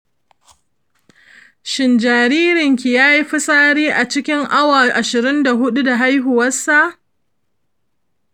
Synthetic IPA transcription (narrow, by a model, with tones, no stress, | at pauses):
ʃɪ˨nd͡ʒaː˨ɾiː˦ɾɪ˨ŋkʲi˨jaː˦ji˦ɸɪ˦sʼaː˦ɽiː˦ʔa˨t͡ʃɪ˦kʲɪ˦ŋʔa˦wa˨ʔa˨ʃɪ˨ɾɪ˦nda˨ɦʊ˦ɗu˦da˨ɦa˦jɦʊ˨wɐ˦sːa˦˨ʔ